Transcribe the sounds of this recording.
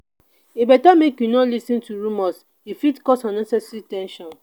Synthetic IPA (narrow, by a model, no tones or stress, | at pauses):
ebɛtamekjunɔlisĩntuɹumɔs | ifitkɔsãnːɛsɛsititɛ̃nʃɔ̃n